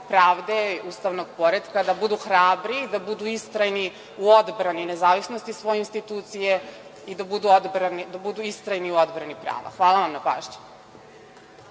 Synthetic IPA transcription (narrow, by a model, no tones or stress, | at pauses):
pɾaːʋd̪e̞ust̪aʋno̞ɡpo̞ɾed̪kad̪abud̪uxɾaːbɾid̪abud̪uist̪ɾajni | uod̪bɾanine̞zaːʋisno̞st̪isʋo̞jeinst̪it̪uːt̪sijeid̪abud̪uod̪bɾanid̪abud̪uist̪ɾajniuo̞d̪bɾanipɾa̰ːʋa̰xʋaːlˠaʋamnapa̰ːʃɲḁ